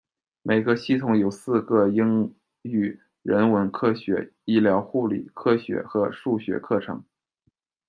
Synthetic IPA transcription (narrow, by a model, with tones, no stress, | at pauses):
me˨˩ɪɡə˧ɕi˥˩t̪ʰʊ˧˥ŋjo˨˩ʊsɹ̩˥˧ɡə˥˩i˥ŋ | y˨˩ | ɻə˧˥nwə˧˥nkʰɤ˥˩ɕɥɛ̰˧˥i˥˩ljɑ˧˥ʊxu˥˩lḭ˨˩kʰɤ˥ɕɥɛ̰˧˥xɤ˧˥ʂu˥˩ɕɥɛ̰˧˥kʰɤ˥˩ʈ͡ʂʰɤ̰˧˥ŋ